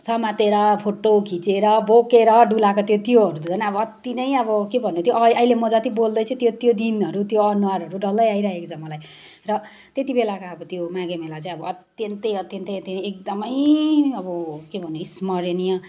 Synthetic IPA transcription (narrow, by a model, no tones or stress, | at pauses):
sʌmat̪eɾʌpʰoʈokʰit͡seɾʌbokeɾʌɖulakot̪jot̪joʌɾud̪udʌnaʌbʌʌt̪inʌjʌβʌkebʱʌnːot̪ʰjoʔʔʌilemʌd͡zʌt̪ibold̪ʌjt͡sʰʌ̃t̪jot̪jod̪inʌɾut̪joʌnuwaɾɦʌɾuɖʌlʌjaiɾʌɦekot͡sʰʌmʌlaj | rʌ | t̪et̪ibelakaʌbʌt̪jomãɡemelat͡saĩʌbʌʌt̪jʌnt̪ʌjʌt̪jʌnt̪ʌjʌt̪jinjek̚d̪ʌmʌjʌbʌkebʱʌnːoismʌɾenijʌ